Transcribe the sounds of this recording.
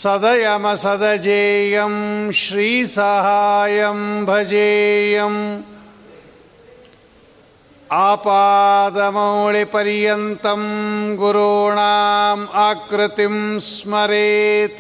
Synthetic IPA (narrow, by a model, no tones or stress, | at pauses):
sɐd̪ɐjɐmɐsɐd̪ɐd͡ʒeːjɐmʃɾiːsɐɦaːjɐmbʱɐd͡ʒeːjɐm | aːpaːd̪ɐmɐɭepɐɾjɐnt̪ɐmɡuɾoːɳaːmaːkɾɪt̪imsmɐɾeːt̪